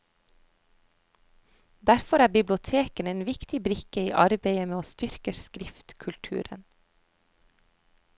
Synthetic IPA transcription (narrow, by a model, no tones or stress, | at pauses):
d̪æɾfɔɾæːbɪblʊt̪ʰeːkəneːnʋɪkt̪ɪbɾɪkəiːʔɑɾbeɪəmeːoːst̪ʏɾkəskɾɪft̪kʰʉlt̪ʰʉ̰ːɾə̰n